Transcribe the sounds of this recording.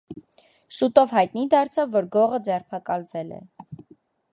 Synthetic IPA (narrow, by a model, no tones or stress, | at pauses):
ʃut̪ɔvɦɑjt̪nid̪ɑɾt͡sʰɑvːɔɾɡɔʁəd͡zɛrpʰɑkɑlvɛlɛ̰